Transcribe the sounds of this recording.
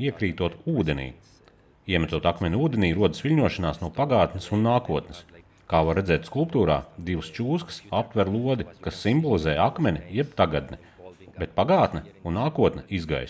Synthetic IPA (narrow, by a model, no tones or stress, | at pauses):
iɛkɾiːt̪uɔt̪uːd̪enḭː | iɛmɛt̪uɔt̪akmʲɛnʲuːd̪ʲeniːɾuɔd̪ɨsʋilʲɲuɔʃanaːsnuɔpaɡaːt̪nɪsunːaːkuɔt̪nɪ̥s | kaːvaɾːed̪zɛːt̪skulˠpt̪uːɾa̰ːd̪iʋst͡ʃuːsksap̚t̪vʲɛɾlˠuɔd̪ikasːimbɔlˠizɛːjakmɛnʲijɛbt̪aɡad̪̚nɛ | bet̪̚paɡaːt̪nɛunːaːkuɔt̪nɛizɡa̰js